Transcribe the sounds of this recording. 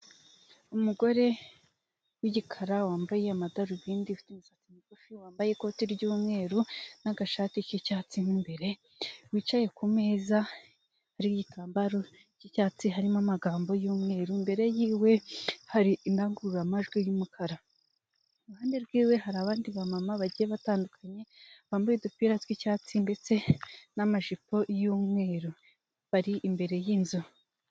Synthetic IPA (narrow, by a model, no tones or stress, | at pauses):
umuɡo̞ɾe̞ | wiɟikʰaɾawaːmbaje̞amadaɾiβiːndifi̥tumusat͡simikufiwaːmbajeko̞ːtiɾɟuːmŋe̞ːɾunaɡaʃaːticocaːt͡sinimbe̞ɾe̞ | wiːt͡ʃaje̞kumeːza | haɾiɟitaːmbaɾo̞ | ɟicaːt͡siɦaɾimamaɡaːmbo̞juːmŋe̞ːɾuimbe̞ɾe̞jiːwe̞haɾiindaŋɡuuɾamaʒɡwijumukʰaɾa | ɾuhaːndeɾɡwiːwe̞haɾaβaːndiβamamaβaɟijeβataːndukʰaɲe̞βaːmbujedupiɾazwicaːt͡sinde̞t͡se̞namaʒipo̞juːmŋe̞ːɾu | βaɾiʔːmbe̞ɾe̞jiːnzu